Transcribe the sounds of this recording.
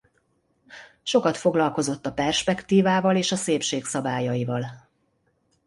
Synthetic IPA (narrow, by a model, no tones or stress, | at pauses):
ʃo̞kɒt̪fo̞ɡlɒlko̞zo̞t̪ːɒpɛrʃpɛkt̪iːvaːvɒleːʃɒseːpʃeːksɒbaːjɒjivɒl